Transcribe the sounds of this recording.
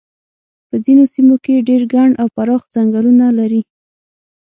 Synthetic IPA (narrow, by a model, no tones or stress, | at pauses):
pəzinosimokeɖeɾɡaɳɖawpaɾɑxd͡zaŋɡalunalaɾi